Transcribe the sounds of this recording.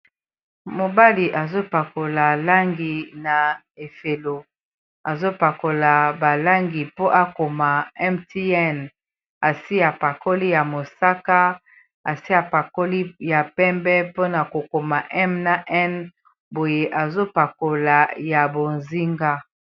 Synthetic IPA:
mo˨ba˦li˨ʔa˨zo˦pa˨ko˨la˨la˦ŋɡi˨na˨ | e˨fe˨lo˨ | a˨zo˦pa˨ko˨la˨ba˨la˦ŋɡi˨po˦ʔa˦ko˨ma˨ɛ˦mti˦ɛ˦n | a˨si˦a˨pa˨ko˦li˦ja˨mo˨sa˦ka˦ | a˨si˦a˨pa˨ko˦li˦ja˨pɛ˦mbɛ˦po˦na˨ko˨ko˨ma˨ʔɛ˦mna˨ʔɛ˦n | bo˨je˦ʔa˨zo˦pa˨ko˨la˨ja˨bo˨nzi˦ŋɡa˦

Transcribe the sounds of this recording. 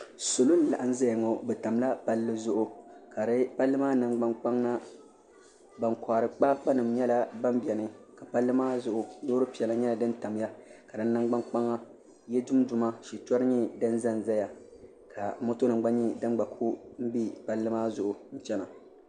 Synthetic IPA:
so˨lʊ˦n˦la̰˨ʔa˦n˦za˦ja˨ŋo˨bɛ˨ta˨mla˦pa˦lːɨ˦zʊ˦ʔʊ˨ka˨ɾɨ˦pa˦lːɨ˦maː˦nɨ˨ŋ͡mɡ͡ba˦ŋk͡pa˦ŋna˦ | ba˨ŋkʰa˨ɾɨ˨k͡pa˦k͡pa˦nɨ˨mɲɛ˦la˦ba˦mbi˨ɛ˨nɨ˦ka˨pa˦lːɨ˦maː˦zʊ˨ʔʊ˨˦doː˦ɾɨ˦pi˨ɛ˨la˨ɲɛ˦la˨dɨ˦nta˨mja˦ka˨dɨ˦nː˦ɨ˦ŋɡ͡ba˦ŋk͡pa˦ŋa˦ | jɛ˦dʊ˦m˦dʊ˨ma˦ʃi˨t͡ʃɔ˦ɾɨ˦ɲi˦dɨ˦nza˦n˨za˦ja˨ | kʰa˨mo˦to˦nɨ˨ŋ˦ɡ͡ba˦ɲi˦dɨ˦n˦ɡ͡ba˨kʰu˦m̩˦bi˦pa˦lːɨ˦maː˦zʊ˦˨ʔʊ˨n̩˦t͡ʃɛ˦na˨

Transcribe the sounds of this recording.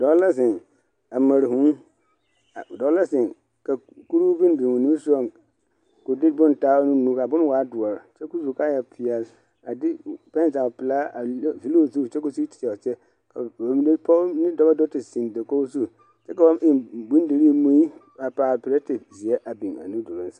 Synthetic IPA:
dɔ˨˦lɛ˦s̬ɪ̃˨n | a˨mã˨ɾi˨hũ˦˨ | dɔ˨˦lɛ˦sɪ̃˨n | ka˨ | ku˦ɾu˦vi˦˨bĩ˨wõ˨nĩ˦m˦sʊ˦ɔ˨m | ko˨dɪ˦bʊ̃˦n˨ta˦nʊ̃˦nũ˦ka˨bʊ̃˦ñ˦wa˨a˦dʊ˨ɔ˨ɾt͡ʃʰɛ˦ku˦su˨kʰa˦jɛ˨pʰi˨a˨ | a˨dɪ˦pɛ̃˦˨ta˨ɔ˨pɪ˨la˦a˨˦fi˦lo˦˨zu˦˨t͡ʃʰɛ˦ko˨su˦t͡ɕʰi̥˨a˨ɔ˨t͡ɕʰɛ˦ | kʰa˨a˨mĩ˦n˦pʰɔ˦nɪ̃˦dɔ˦bɛ˦dɔ˦tɪ˨sĩ˨n˨da˨kɔ˦su˦ | t͡ʃʰɛ˦ka˨wɔ˦mɪ̃˨bũ˦n˦de˨ɾi˦˨mũ˦i˦ | a˨pa˨pɾe˦tʰɪ˨bzi˨ɛ˦ʔa˨bĩ˨na̰˨nũ˦dʊ˨ɾʊ̃˦n̩˦sḁ˦

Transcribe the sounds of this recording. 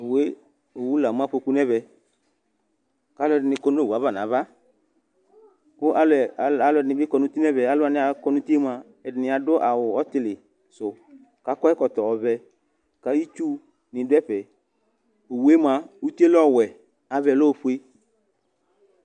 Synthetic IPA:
o˨we˦ | o˨wu˦la˨m˦ã˦ɸo˧ku˦nɛ˦βɛ˧ | ka˨˦lʊ˦˧ɛ˧dɪ˧nɪ˧kɔ˧n˦o˦˨u˨a˨˦βa˦˨nã˨˦va˦ | kʊ˦ʔa˨lɛ˨a˨lʊ˧ɛ˧˨nɪ˧bɪ˦kɔ˧nʊ̃˦t̪i˦nɛ˦βɛ˨a˨˦lʊ˦a˧nɪ˦a˧kɔ˧nʊ̃˦ti˦e˦ma˧ | ɛ˨dɪ˨nɪ˨a˧dʊ˦ʔa˨wʊ˨ɔ˦tɪ˧˦lɪ˨ | sʊ˨ | ka˨˦kɔ˦ɛ˦kɔ˨t̪ɔ˨ɔ˨βɛ˧ | ka˨˦i˦t͡ʃu˦ | nɪ̃˨dʊ˦ɛ˦ɸɛ˨ | o˨wu˨˦e˦ma˧u˦ti˦e˦lɔ˦˨wɛ˨ | a˨vɛ˧˨lo˦˧ɸu˦e˧

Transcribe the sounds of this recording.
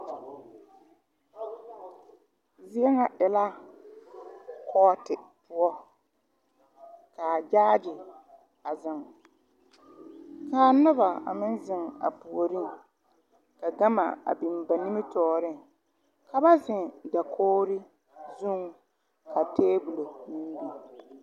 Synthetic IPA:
zɪ˦ɛ˦ŋa˨ʔɪ˨la˦ | kʰɔː˦tɪ˨pʊ˦ɔ˦ | kaː˨d͡ʒaː˦dɪ˨ | a˨zɪ˨ŋ | kaː˨nʊ˦ba˨a̰˨mɪ˦n˦zɪ˨ŋa̰˨pu˨o˨ɾi˦ŋ˨ | ka˨ɡa˦ma̰˨a̰˨bi˨m˨ba˨ni˦mɪ˦tɔː˨ɾɪ˦ŋ | ka˨ba˦zɪ˨ŋda˨kʰoː˦ɾɪ˦ | zu˦ŋ˨ | ka˨teː˦bu˨lo˨ni˦bi˨

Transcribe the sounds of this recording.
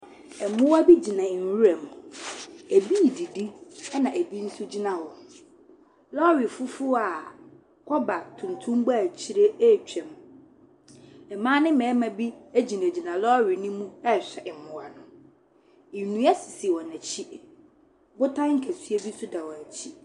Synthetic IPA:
ɛ˨mʊ̃˦wa˦bi˦d͡ʑi˨nã˨wu˦ɛ˨m˨ | æ˨bi˦˨di˨di˦ɛ˦nã˨ʔæ˨bi˦n̩˦sʊ˦d͡ʑi˦nã˨wɔ̃˨n | lɔ˦ɾɪ˨fʊ˦fʊ˦a˨ | kʰɔ˦ba˨tʰũ˨ntʰũ˦m˦bʊ˦a˨t͡ɕʰi˦ɾe˦˨t͡ɕᶣɛ̃˨m | ɛ˨mãː˦nɪ̃˦mɛ̃ː˨˦mã˨bi˦æ˦d͡ʑi˨næ̃˨d͡ʑi˨nã˨lɔ˦ɾɪ˨nĩ˦mũ˦ɛ˦˨ɕᶣɛ˨ʔɛ˨mʊ̃˦wa˨nʊ̃˨ | ɪ˨nũ˨˦ɛ˦sɪ̥˨si˨wɔ̃˨næ˨t͡ɕʰi˦ | bʊ˦tʰã˦ŋ̩˦kʰæ˨sɥe˦bi˦sʊ˦da˨wɔ˨æ˨t͡ɕʰi˦

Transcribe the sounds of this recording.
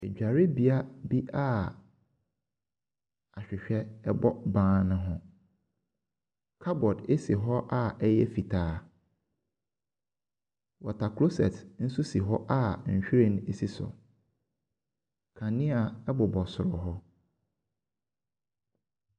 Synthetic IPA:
e˨d͡ʑᶣa˨ɾe˦bi˨a˦bi˦ʔa˦ | a˨ɕᶣɪ˨ɕᶣɛ˦ɛ˦bɔ˦bãː˦nʊ̃˦ɦʊ̃˦ | kʰa˦bɔ˨de˦si˨ɦɔ˦ʔa˦ɛ˦jɛ˦fi˨tʰaː˦ | wɔ˨tʰa˨kʰlo˦sɛ̰˨tn̩˦su˦si˨ɦɔ˦ʔa˦ɲ̩˨ɕᶣɾe˦ñ˦e˨si˦sʊ̰˨ | kʰã˨nɪ̃˦a˨ɛ˦bʊ˨bɔ˨sʊ˨ɾʊ˨ɦɔ˦

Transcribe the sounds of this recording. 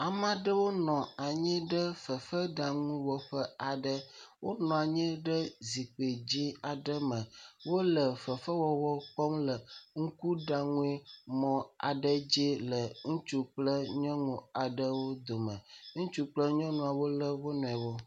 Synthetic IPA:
a˨mã˦ɖə˦wo˦nɔ̃˨a˨ɲĩ˦ɖə˦fə˨fə˦ɖa˨ŋũ˦wɔ˨ɸə˦a˨ɖə˦wo˦nɔ̃˨a˨ɲĩ˦ɖə˦zi˨k͡pe˨d͡ʑi˦a˨ɖə˦mə̃˨wo˦lə˨fə˨fə˦wɔ˨wɔ˦k͡pɔ˦mlə˨ŋu˦ku˦ɖa˨ŋũ˦e˦mɔ̃˨a̰˨ɖə˦d͡ʑi˦lə˨ŋũ˦t͡ʃu˦k͡plə˦ɲɔ̃˦ŋũ˨a˨ɖə˦wo˦d̪o˨mə̃˨ŋũ˦t͡ʃu˦k͡plə˦ɲɔ̃˦ŋũ˨a˨wo˦lə˦wo˦nɔ̃˨ɛ˨wɔ˦

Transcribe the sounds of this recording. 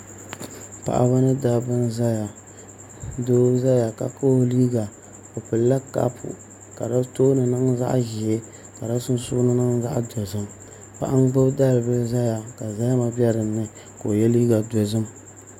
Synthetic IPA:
pa̰˨ʔa̰˨ba˦nɨ˦da˦bɨ˦nza˦ja˨ | doː˦za˦ja˨ka̰˨ko˦liː˦ɡa˨ | o˨pɨ˨lːa˦ka̰˦pʰṵ˨ | ka˨da˦toː˦nɨ˨nɨ˦ŋza̰˦ʔʒɪ˨e˦ | ka˨da˦sʊ˦n˦sʊ˦nɨ˦nɨ˦ŋza˦ʔdo˨zɨ˦m | pa̰˨ʔa˦ŋ˦ɡ͡bɨ˦bda˦lɨ˨bɨ˦za˦ja˨ka˨za˦ja˦ma˨bjɛ˦ɾɨ˨mː˦ɨ˦ | ko˨jɛ˦liː˦ɡa˨do˨zɨ˦m

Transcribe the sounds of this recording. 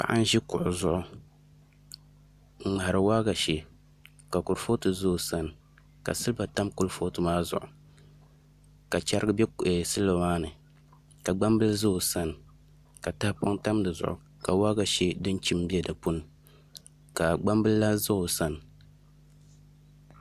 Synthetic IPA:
pa̰˨ʔa˦n˦ʒi˦kʊ̰˨ʔʊ˨zʊ˦ʔʊ˦ | ŋ̩˦˨ŋ͡ma˨a˨ɾɨ˨waː˦ɡa˨ʃe˨ | ka˨kʊ˨ɾfo˦tɨ˨zo˦˨sa˦n˨ | ka̰˨sɨ˦lba˨ta˦mkʊ˦lfo˦tɨ˨maː˦zʊ̰˨ʔʊ˨ | ka˨t͡ʃa˦ɾɨ˦ɡɨ˦bɛ˦˨sɨ˦lo˨maː˦nɨ˨ | ka˨ɡ͡ba˦mbɨ˦lzo˦˨sa˦n˨ | ka˨ta˦hpa˦ŋta˦m˦dɨ˨zʊ̰˨ʔʊ̰˨ | ka˨waː˦ɡa˨ʃe˦dɨ˦n˦t͡ʃi˦m˦bi˦ɛ˦dɨ˨pu˦nɨ˨ | ka˨ɡ͡ba˦mbɨ˦lla˦zo˦o˨sa˦n˨

